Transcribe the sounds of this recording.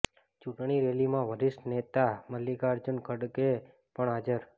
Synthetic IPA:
t͡ʃuʈɳiɾelimãʋəɾiʃʈnet̪aməlːikaɾd͡ʒənkʰəɽke | pəɳad͡ʒəɾ

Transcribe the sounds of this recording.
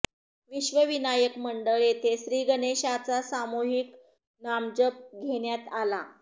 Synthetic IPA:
ʋiɕʋəʋinajəkməɳɖəɭet̪ʰeɕɾiːɡəneɕat͡sasamoɦik | namd͡ʑəp̚ɡʱeɽjat̪ala

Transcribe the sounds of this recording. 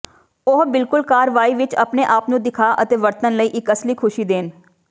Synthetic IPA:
ʊɦbɪlkʊlkaːɾəʋaːiːʋɪt͡ʃə̰pneːʔaːpnũːd̪ɪkʰaːʔə̰t̪eːʋəɾt̪ənləiːʔɪkəsliːkʰʊʃiːd̪eːn

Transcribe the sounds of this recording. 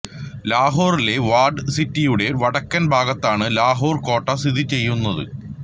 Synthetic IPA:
laːɦoːrile̞ʋaːrɖɨsitːijuɽe̞ʋɐɽɐkːɐnbʱaːɡɐt̪ːaːɳɨlaːɦoːrko̞ːʈːɐst̪id̪ʱit͡ɕe̞jːunːɐðɨ̰

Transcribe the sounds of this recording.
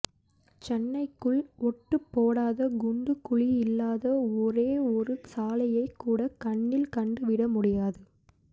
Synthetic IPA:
t͡ʃɛnːɐɪkːɯɭɔʈːɯpːoːɽaːðɐɡʊɳɖɯkːʊɭɪɪlːaːðɐɔɾeːɔɾɯsaːlɐjɐɪkːuːɽɐkɐɳːɪlkɐɳɖɯʋɪɽɐmʊɽɪjaːðɯ

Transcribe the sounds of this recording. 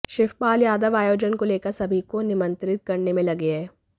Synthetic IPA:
ʃɪfpaːljaːd̪əʋaːjoːd͡ʒənkoleːkəɾsɐbʱikonɪmə̃nt̪ɾɪt̪̚kɐɾnemẽlɐɡeɦɛː

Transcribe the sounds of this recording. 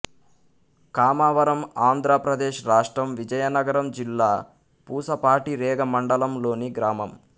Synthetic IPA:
kaːmaːʋɐɾɐmaːnd̪ʱɾɐpɾɐd̪eːʃɾaːʂʈɾɐmʋid͡ʒɐjɐnɐɡɐɾɐmd͡ʒilːaː | puːsɐpaːʈiɾɛːɡɐmɐɳɖɐlɐmlo̞ːniɡɾaːmɐm

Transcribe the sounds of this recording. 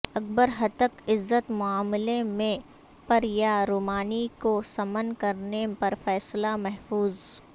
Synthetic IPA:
ɐk̚bəɾɦɐt̪əkɪzːət̪mʊaːmɪlemẽ | pɐɾjaɾuːmaːnikosɐmənkɐɾnepɐɾfɛːslamɛɦfuːz

